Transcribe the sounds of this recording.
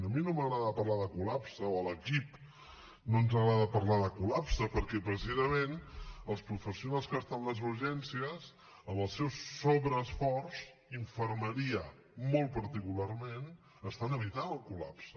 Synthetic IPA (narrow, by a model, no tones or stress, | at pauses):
əminoməɣɾaðəpəɾlaðəkulapsəoələkip | nonzəɣɾaðəpərlaðəkulapsəpəɾkɛpɾəs̬izəmenəlˠspɾufəsiunalˠskəst̪anləzuɾʒɛnsiəz | əməlˠsɛwsːoβɾəːsfɔrz | iɱfərməɾiə | molˠpəɾt̪ikularmen | əst̪anəβit̪anəlˠkula̰psə